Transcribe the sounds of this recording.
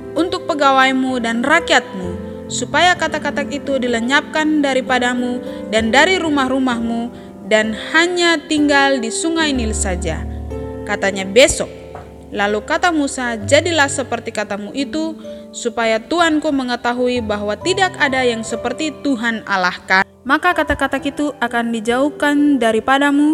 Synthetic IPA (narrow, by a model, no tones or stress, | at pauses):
ʔunt̪ʊk̚pəɡawajmudanrakiat̪̚mu | supajakat̪akat̪akit̪udiləɲap̚kandaɾipadamudandaɾiɾumahrumahmu | danhaɲat̪iŋɡaldisuŋajnilsad͡ʒa̰kat̪aɲabɛsɔk̚ | lalukat̪amusad͡ʒadilahsəpərt̪ikat̪amuʔit̪u | supajat̪uankuməŋət̪aɦuibaɦwat̪idakadajaŋsəpərt̪it̪uɦana̰lahka | makakat̪atkat̪akit̪uakandid͡ʒauhkandaɾipadamu